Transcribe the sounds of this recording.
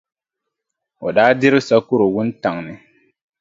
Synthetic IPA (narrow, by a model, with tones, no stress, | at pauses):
ɔ˨daː˦dɪ˦ɾɪ˦sa˦kʊ˦ɾo˨wʊ˦n˦ta˨ŋnɪ˨